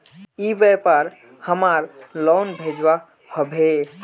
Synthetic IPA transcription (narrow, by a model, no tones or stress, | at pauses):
ibepəɾ | həmaɾlɔnbʱed͡ʒwa | həbʱe